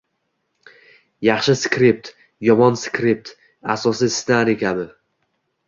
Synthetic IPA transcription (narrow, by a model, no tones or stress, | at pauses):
jɑχʃɪskʲɾip̚t̪ | jɒmɒnskɾip̚t̪ | asɒsist̪aɾekʲab̪ɪ